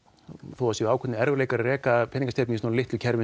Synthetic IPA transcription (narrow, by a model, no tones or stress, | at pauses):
θowvasiaːwkʰɛt̪ɪɛɾvʏɾlejkaɾrɛːkapʰɛːniŋkst̪ejp̚nisnɔːɾlɪht̪ɪlcʰɛɾvɪ